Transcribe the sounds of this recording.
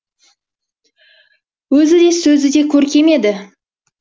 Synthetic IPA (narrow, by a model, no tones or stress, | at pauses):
wɵzɪd̪e̞sɵzɪd̪e̞kʲʰɵɾkʲʰe̞me̞d̪ɪ